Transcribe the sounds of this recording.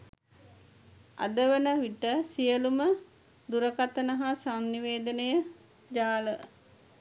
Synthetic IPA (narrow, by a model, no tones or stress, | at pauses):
a̰d̪əʋənəʋiʈəsijəlumə | d̪uɾəkat̪ənəɦasanːiʋeːd̪ənəjə | d͡ʒaːlə